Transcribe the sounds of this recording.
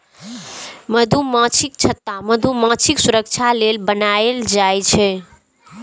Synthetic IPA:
məd̪ʱumãt͡ʃʰik̚t͡ʃʰət̪ːaməd̪ʱumãt͡ʃʰiksuɾək̚t͡ʃʰalelbənaeld͡ʒajt͡ʃʰɛ

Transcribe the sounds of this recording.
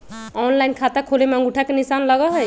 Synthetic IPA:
ɔnlainkʰat̪akʰolemẽŋɡuʈʰakenisanləɡɔɦɔj

